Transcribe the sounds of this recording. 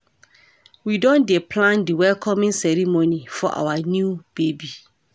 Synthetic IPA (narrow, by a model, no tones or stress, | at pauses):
widɔ̃ndɛpʰlãndiwɛlkʰɔmĩnsɛɾimonifɔʔa̰wanjub̥ebi